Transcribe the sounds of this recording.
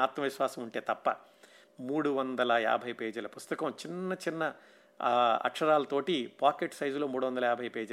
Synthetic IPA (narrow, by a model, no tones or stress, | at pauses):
aːt̪mɐʋiʃʋaːsɐmuɳʈe̞ːt̪ɐpːɐ̰ | muːɽuʋɐnd̪ɐlɐa̰ːbʱɐjpeːd͡ʒulɐpust̪ɐkɐmt͡ʃinːɐt͡ʃinːɐ | ɐ̰kʂɐɾaːlɐt̪o̞ːʈipaːkeʈsɐjd͡ʒlo̞ːmuːɽuʋɐnd̪ɐlɐaːbʱɐjpeːd͡ʒɐ